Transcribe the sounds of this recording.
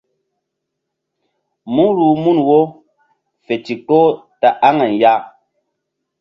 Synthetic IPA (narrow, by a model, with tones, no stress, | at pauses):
mu˦ɾu˨mu˦˨nwo˦ | fe˨ti˨ko˦ | ta˨ʔa˦ŋa˨n˨ja˦